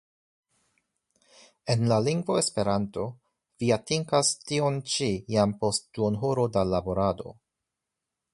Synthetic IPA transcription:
e̞nlaliŋɡvo̞espe̞ɾanto̞ | viatiŋkastio̞nt͡ʃijampo̞st̚duonɦoɾo̞dalabo̞ɾado̞̰

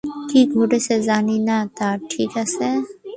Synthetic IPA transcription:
kiɡʱoːɖesezaːninat̪aːʈʰiːkɛse

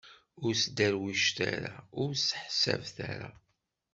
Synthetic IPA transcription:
ʊɾsd̪æɾwiʃt̪aɾaʊɾsə̥ħsævθæɾa

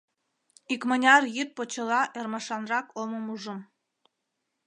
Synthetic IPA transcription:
ikmənʲɑrjyt̪̚pot͡ɕə̆lɑʔermɑʃɑnrɑkoməmuʒə̆m

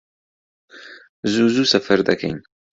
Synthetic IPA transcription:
zuzusɐfɐɾd̪ɐkʰɐ̰jn

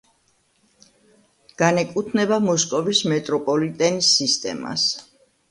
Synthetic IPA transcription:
ɡ̥anɛkʼut̪ʰnɛbamɔskʼɔvismɛt̪ʼɾɔpʼɔlit̪ʼɛnisːist̪ʼɛ̰ma̰s

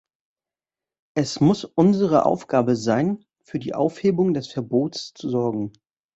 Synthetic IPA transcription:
ʔɛsmʊsʔʊnzəʁ̞əʔa̰ʊfɡ̥aːbəzaɪn | fyːɐdḭːʔa̰ʊfheːbʊŋdɛsfɛɐboːtst͡suzɔɐɡŋ̩

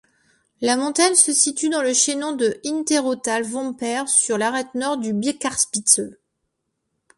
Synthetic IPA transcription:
lamɔ̃t̪aɲsəsit̪yd̪ɑ̃ləʃenɔ̃d̪əint̪eʁot̪alvɔ̃pɛʁsyʁlaʁɛt̪nɔʁd̪ybjekaʁspit̪sø

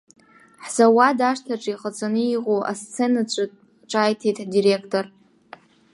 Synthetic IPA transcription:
ħz̥awadaʂtʰaʈ͡ʂʼiχʼət͡sʼanɨiʁʼoʔa̰st͡sʰenat͡ɕʷʰʼɨ | ʈ͡ʂʼajtʰitʼdiɾekʰtʰʼor

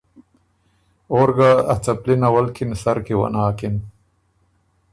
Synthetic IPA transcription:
oːɾɡaɐt͡sɐplinɐwɐlkʰinsɐɾkiwɐ̰naːkin

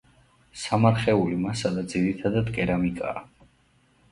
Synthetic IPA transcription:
samaɾχɛulimasad̪ad̪ziɾit̪ʰad̪ad̪kʼɛɾamikʼa̰ː

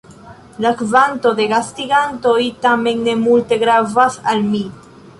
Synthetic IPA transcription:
lakvanto̞de̞ɡastiɡanto̞jtame̞nːe̞multe̞ɡɾavasalmi

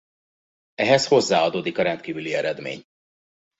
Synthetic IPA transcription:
ɛɦɛsho̞zːaːɒd̪oːd̪ikɒɾɛnt̪kiːvyliɛɾɛd̪mḛːɲ

